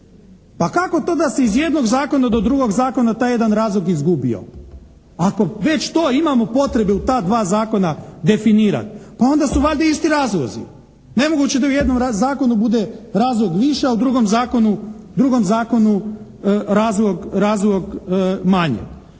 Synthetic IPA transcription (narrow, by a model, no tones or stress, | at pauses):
pakako̞t̪o̞ːd̪ase̞izje̞d̪no̞ɡzaːko̞nad̪o̞d̪ɾuɡo̞ɡzaːko̞nat̪aːje̞d̪anɾaːzlˠo̞ɡizɡubḭo̰ | akoʋe̞t͡ɕt̪o̞ːimamo̞po̞t̪ɾe̞beut̪aːd̪ʋaːzaːko̞nad̪e̞finiːɾa̰t̪pao̞nd̪asuʋaʎd̪aist̪iɾaːzlˠo̰zḭ | ne̞mo̞ɡut͡ɕed̪auje̞d̪nomɾazaːko̞nubud̪eɾaːzlˠoɡʋiʃeaud̪ɾuɡomzaːko̞nud̪ɾuɡo̞mzaːko̞nu | ɾaːzlˠoɡɾaːzloɡmaɲḛ